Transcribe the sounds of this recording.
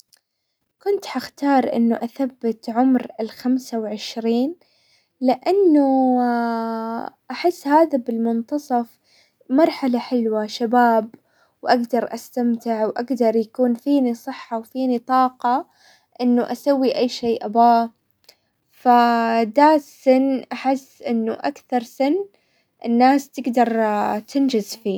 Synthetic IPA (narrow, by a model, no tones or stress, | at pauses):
kʊnt̪ħaxt̪ɑːɾˤʔɪ̰nːʊʔaθabːɪt̪ʕʊmɾɪlxamsawʕɪʃɾiːn | lɪʔanːʊ | ʔaħɪsːhaːðabɪlmʊnt̪ɑsˤɑf | mɑɾˤħalaħɪlwaʃabaːb | wʔaɡd̪ɑɾˤʔa̰st̪amt̪ɪʕwʔaɡd̪ɑɾˤjakuːnfiːnisˤɨħːawfiːnit̪ˤɑːqɑ | ʔɪnːʊʔasawːiʔajːʃeːʔabaː | fad̪aːt̪sɪnːʔaħɪsːʔɪnːʊʔakθɑɾˤsɪnː | ʔɪnːaːst̪ɪɡd̪ɑɾˤt̪ɪnd͡ʒɪzfiː